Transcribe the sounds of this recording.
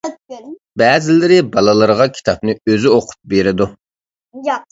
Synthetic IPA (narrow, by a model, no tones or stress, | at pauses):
bɛːzɪlɪɾɪbɑlˠɨlˠəɾʁɑkʲʰi̥t̪ʰɑp̚nɨøzyoqʰʊ̥p̚beɾɪd̪u